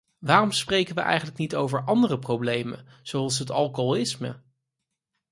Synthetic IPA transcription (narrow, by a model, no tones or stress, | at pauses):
ʋaːrɔmsprejkənʋəʔɛ̰jχənləknitowvəɹʔɑndərəprowblejmə̰n | z̥owɑlˠsɦətɑlˠkoɪsmə̰